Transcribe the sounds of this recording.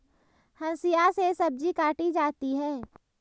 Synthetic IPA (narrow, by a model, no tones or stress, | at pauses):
hɐ̃nsijasesɐb̚d͡ʒikaːʈid͡ʒaːt̪iɦɛː